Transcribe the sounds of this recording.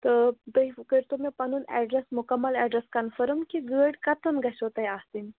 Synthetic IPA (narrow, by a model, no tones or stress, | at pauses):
t̪əd̪əɦifkəɾt̪omepanuːnɛ̰ɖɾesmukɐmːəlɛɖɾeskanfəɾəmkiɡəɽkat̪ʰəmɡaɕot̪ajast̪in